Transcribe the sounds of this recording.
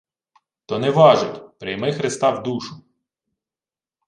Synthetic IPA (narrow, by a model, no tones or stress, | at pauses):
t̪ɔnɛʋɑʒʊtʲpɾʲɪjmɪxɾɪst̪ɑwd̪uʃʊ